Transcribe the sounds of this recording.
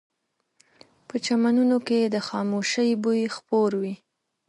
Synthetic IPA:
pət͡ʃamanunoked̪əxɑmoʃəjbujxpoɾwi

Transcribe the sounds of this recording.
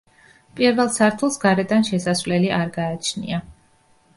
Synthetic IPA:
pʼiɾvɛlˠsaɾt̪ʰulˠsɡaɾɛd̪anʃɛsasvlɛliʔaɾɡaːt͡ʃʰnḭa

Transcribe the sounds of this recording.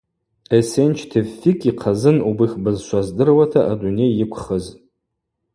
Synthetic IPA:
esent͡ʃʰtʰefːikʼiqʰazɨnubɨχʲbɨzʃʷazdɨrwatʰaʔadune̞jɪkʷʰχəz

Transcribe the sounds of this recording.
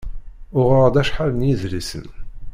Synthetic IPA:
ʊʁəɾˤd̪æʃħalənjiðlisə̰n

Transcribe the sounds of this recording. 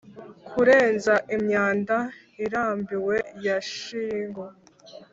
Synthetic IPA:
kʰuɾe̞ːnzaʔimɲaːnda | iɾaːmbiwe̞jaʃiːŋɡo

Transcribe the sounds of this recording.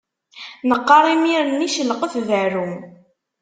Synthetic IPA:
nəqːɑɾˤimiɾənːiʃəlqəfðəɾum

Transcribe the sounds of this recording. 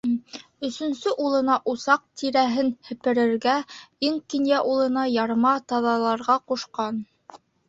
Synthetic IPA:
ɵ̆sɵ̆nsɵʔulˠɤ̆nɑʔusɑq̚t̪ʰiɾæɦɘnhɘ̆pɘ̆ɾɘ̆ɾɡæiŋkinjæʔulˠɤ̆nɑjɑɾmɑt̪ɑðɑlˠɑɾʁɑquʃqɑn

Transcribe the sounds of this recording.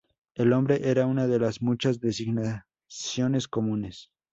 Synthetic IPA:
elõ̞mbɾe̞ʔe̞ɾaunaðe̞lazmut͡ʃazðesiɣna | sjo̞ne̞sko̞mũne̞s

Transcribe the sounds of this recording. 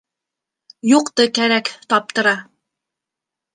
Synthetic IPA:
juqt̪ɤkæɾækt̪ɑp̚t̪ɤ̆ɾɑ

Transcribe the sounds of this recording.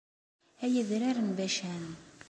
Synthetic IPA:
æjæðɾaɾənbæʃæn

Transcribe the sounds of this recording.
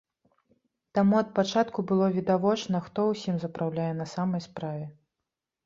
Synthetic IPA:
t̪amuɐt̪̚pat͡ʂat̪kubɨlˠɔvʲid̪avɔt͡ʂnɐxt̪ɔwsʲimzɐpɾawlʲajɛnɐsamɐjspɾavʲɛ

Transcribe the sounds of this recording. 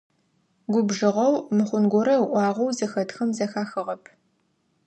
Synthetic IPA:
ɡʷʊbʒɨʁɐwmɨχʷʊnɡʷʊɾɐʔʷɑːʁʷɔwzɐxɐtxɐmzɐxaːxɨʁɐpʰ

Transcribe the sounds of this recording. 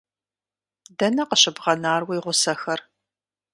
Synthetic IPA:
dɐnɐqəɕɪbʁɐnaːrwjʁʷʊsɐxɐr

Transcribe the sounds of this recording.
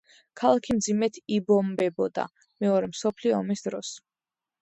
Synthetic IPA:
kʰalˠakʰimd̪zimɛt̪ʰibɔmbɛbɔd̪a̰ | mɛɔɾɛmsɔpʰliɔːmisd̪ɾɔs

